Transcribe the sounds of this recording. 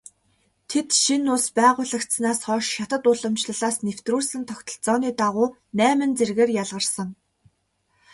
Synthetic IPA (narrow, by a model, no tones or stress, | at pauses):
t̪ʰet̪ʃinʊspæːʁʊːɮə̆kt̪snaːsχɔːʃːat̪ə̆t̪ʊɮə̆mt͡ɕɮə̆ɮaːsnew̥t̪ruːɮsɘ̆nt̪ʰɔkʲt̪ʰɞ̆ɮt͡sɔːniːt̪aʁʊː | næːmɘ̆nt͡serɣeːrjaɮʁə̆rsə̆ŋ